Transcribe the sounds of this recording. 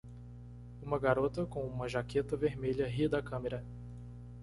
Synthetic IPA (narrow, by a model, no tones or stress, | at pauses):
ũmɐɡaɾot̪ɐkõũmɐʒaket̪ɐveɾmeʎɐɦid̪ɐkɐ̃meɾɐ